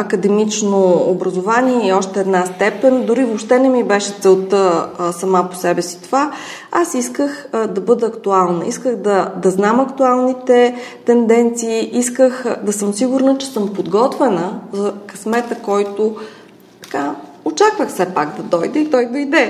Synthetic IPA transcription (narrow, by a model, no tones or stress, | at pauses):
ɐkəd̪ɛmit͡ʃnoːbɾɐzovaniɛiɔʃt̪ɛːd̪nast̪ɛpɛnʲd̪ʊɾivopʃt̪ɛnɛmibɛʃɛt̪sɛlˠt̪əsɐmapo̥sɛbɛsi̥t̪ova | asiskəxd̪ɐbɤd̪əːkt̪ualˠnəiskəɣd̪ɐd̪ɐznamɐkt̪ualˠnit̪ɛt̪ɛnd̪ɛnt̪siːiskəxd̪ɐsɤmsiɡʊɾnət͡ʃɛ̥sɤmpod̪ɡɔt̪vɛnəzɐkɐsmɛt̪əkɔjt̪o | t̪ɐ̥ka | ot͡ʃakvəxfsɛpaɡd̪ɐd̪ɔjd̪əit̪ɔjd̪ojd̪ɛ